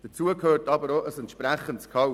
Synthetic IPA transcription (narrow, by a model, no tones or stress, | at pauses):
d̥ət͡suəkʰøːɾtɑbəɾoʔəsɛntʃpɾæχənskʰɑ